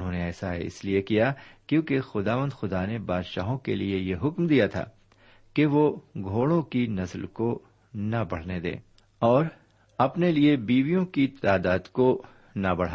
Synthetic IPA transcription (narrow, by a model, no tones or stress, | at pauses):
nɦõːneɛːsaɦɛ̰ɪ̰sliekijakjõːkexʊd̪aːʋə̃nd̪xʊd̪anebaːd̪ʃa̰ːɦõkeliejeɦʊkmd̪ijat̪ʰa̰ː | keʋoɡʱoːɽõkinɐslko | nɐbɐɽ̤ned̪ḛ̃ː | ɔːɾ | ɐpneliebiːʋijõkit̪aːd̪aːd̪ko | nɐbɐɽ̤a